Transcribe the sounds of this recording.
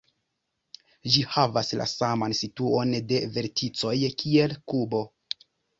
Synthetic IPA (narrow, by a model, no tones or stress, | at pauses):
d͡ʒihavaslʔa̰samansituonde̞ve̞ɾtʰit͡so̞jkʰie̞lkubo̞